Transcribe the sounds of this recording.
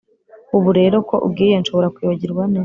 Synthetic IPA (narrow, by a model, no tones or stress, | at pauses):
uβuɾe̞ɾo̞ko̞ʔṵbɡiːjenʃo̞βo̞ɾakwiːβaɟiɾɡwaneː